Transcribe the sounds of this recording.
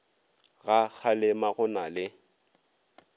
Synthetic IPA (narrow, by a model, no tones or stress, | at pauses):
ɣak͡xʰalɪmaɣʊnalɪ